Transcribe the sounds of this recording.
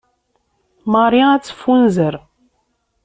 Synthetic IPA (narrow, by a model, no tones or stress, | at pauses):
mɑɾˤjaæt͡sːfunzəɾ